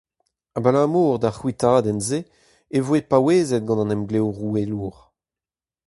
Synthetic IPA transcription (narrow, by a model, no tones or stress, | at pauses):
abalaːmuːʁd̪aχwit̪aːd̪ɛnze | evwepaweːzɛt̪̚ɡɑ̃nɑ̃nɛmɡlɛwʁueluːʁ